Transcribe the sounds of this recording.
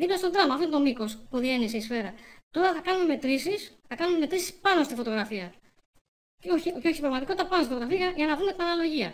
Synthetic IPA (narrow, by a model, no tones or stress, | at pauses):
ðiplɐst̪od̪ɾɐmɐft̪ot̪o̞miko̞spuðie̞niseisfe̞ɾɐt̪o̞ɾɐθɐkɐnume̞me̞t̪ɾisisθɐkɐnume̞me̞t̪ɾisi̥spɐno̞st̪ifo̞t̪o̞ɣɾɐfiɐ | oçioço̞çipbɾɐɣmɐt̪ikot̪it̪ɐpɐnost̪ifot̪oɣɾɐfiɐɐʝɐnɐðume̞t̪inɐnɐlo̞ʝiɐ